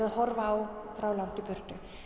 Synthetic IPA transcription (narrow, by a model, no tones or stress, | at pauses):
aðhɔɾvaːwfɾawlan̥t̪ɪpʏr̥t̪ʏ